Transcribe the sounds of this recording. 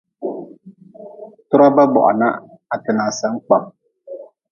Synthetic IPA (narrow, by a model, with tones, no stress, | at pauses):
tʊ˦ɾa˦ba˦bɔ̰˨ʔa̰˨na̰˦ | a˨tɪ˨naː˨sa˦ŋ˦k͡pa˨m